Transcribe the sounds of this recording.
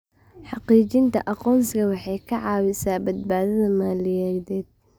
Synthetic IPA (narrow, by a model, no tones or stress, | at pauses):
ħɑqiːt͡ʃɪnt̪ʰɐ̰ʔɑqɔːnsɪɣɐwɑħɑjkʰɐʕɑːwɪsaːbɐd̪baːðɐðɐmaːlɪjɛːðɛːd̪̥̚